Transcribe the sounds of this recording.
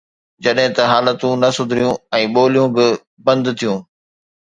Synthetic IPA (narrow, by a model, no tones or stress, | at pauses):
d͡ʑɐɗɦɪ̃t̪ɐɦaːlət̪ũnɐsʊd̪ʱɾijũɛ̃ːɓoːlijũbɪ | bɐ̃nd̪t̪ʰijũː